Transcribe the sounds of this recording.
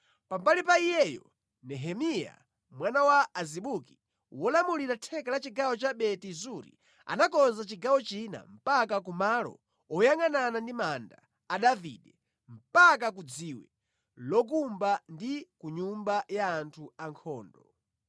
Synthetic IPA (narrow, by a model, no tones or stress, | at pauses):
pambalipaijɛjɔ̰ | nɛɦɛmija̰ | mwanawaːziɓuki̥ | wɔlamuliɾatʰɛkalat͡ʃiɡawɔt͡ʃaɓɛtizuɾḭ | a̰nakɔnzat͡ʃiɡawɔt͡ʃina̰m̩pakak̬umalɔ̰ | ɔjaŋananandimanda̰ː | ɗavḭːɗɛ | m̩pak̬ak̬ud͡ziwɛ | lɔk̬umbandikuɲumbajaːntʰuaŋkʰɔːndɔ